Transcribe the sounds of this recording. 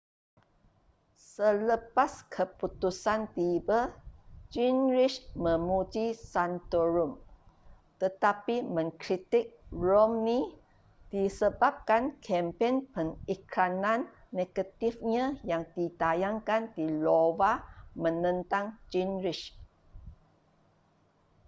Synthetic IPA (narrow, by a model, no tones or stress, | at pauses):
sələpaskʰəput̪usant̪ibəd͡ʒinɾiʃmə̃mud͡ʒisant̪oɹum | t̪ət̪apimə̃ŋkɾit̪ɪk̚ɹomni | d̥isəbap̚kankʰɛmpenpəŋikɾanãnː | eɡ̥at̪ifɲãjaŋdit̪ajaŋkandilowamə̃nə̃nt̪ãŋd͡ʒinɾiʃ